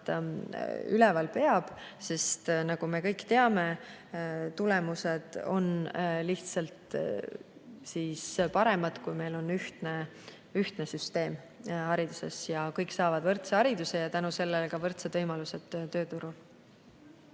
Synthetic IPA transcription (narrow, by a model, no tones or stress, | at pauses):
ylɛvɑlpe̞ɑb̥se̞st̪nɑɡ̥ume̞kɤ̞jkt̪e̞ɑme | t̪ule̞muse̞d̪̥o̞nliht̪sɑlt̪ | siːspɑɾe̞mɑd̪̥kujme̞jlo̞nyht̪ne | yht̪ne̞syst̪e̞ːm | hɑɾid̪̥use̞sjɑkɤjkːsɑːvɑd̪̥vɤrt̪seɑɾid̪̥use̞jɑt̪ænuse̞lːelkɑvɤrt̪sed̪vɤjmɑluse̞d̪̥t̪ːøːt̪uɾul